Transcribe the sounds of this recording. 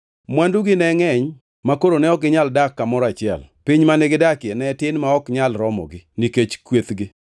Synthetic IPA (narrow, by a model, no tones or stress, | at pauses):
mwanduɡɪnɛŋɛɲ | makoɾonɛɔk̚ɡɪɲaldakːamɔɾɔat͡ʃɪɛ̰lpɪɲmanɛɡɪdakjɛnɛtɪnmaɔkɲalɾɔmɔ̰ɡɪniket͡ʃkwet̪ɡɪ